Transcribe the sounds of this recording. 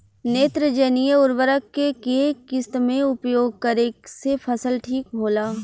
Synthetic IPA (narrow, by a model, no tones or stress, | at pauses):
neːt̪ɾəd͡ʒənijəʊɾʋəɾəkːekiekɪst̪mẽʊpjoːɡ̚kəɾeːksepʰɐsəlʈʰiːk̚bʱoːlaː